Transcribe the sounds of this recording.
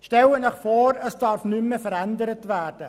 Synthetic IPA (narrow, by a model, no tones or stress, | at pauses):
ʃtɛlənɛχfoːɾəsd̥ɑɾfnymːəfəɾændəɾətværd̥ə